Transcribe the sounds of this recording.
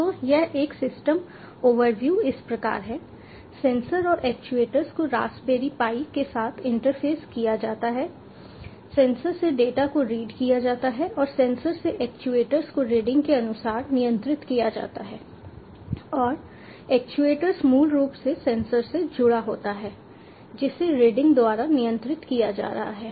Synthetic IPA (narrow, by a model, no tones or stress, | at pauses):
t̪ojɛɦeːksɪsʈəm | oːʋəɾʋjuːɪspɾɐka̰ːɾɦɛː | sɛ̃ːnsəɾɔːɾʔɛːk̚t͡ʃueːʈəɾskoɾa̰ːsbeːɾipaːikesaːt̪ʰɪ̃ɳʈəɾfʰeːskijad͡ʒaːt̪aɦɛː | sɛ̃ːnsəɾseɖeːʈakoɾiːɖkijad͡ʒaːt̪aɦɛʔɔːɾsɛ̃ːnsəɾseʔɛːk̚t͡ʃueːʈəɾskoɾiːɖɪ̃ŋɡkeɐnʊsaːɾnɪjə̃nt̪ɾɪt̪kijad͡ʒa̰ːt̪aɦɛː | ɔːɾ | ɛːkt͡ʃueːʈəɾzmuːlɾuːpsesɛ̃ːnsəɾsed͡ʒʊɽaɦoːt̪aɦɛː | d͡ʒɪseɾeːɖɪ̃ŋɡd̪ʊaːɾanɪjə̃nt̪ɾɪt̪kijad͡ʒa̰ːɾɐɦaɦɛː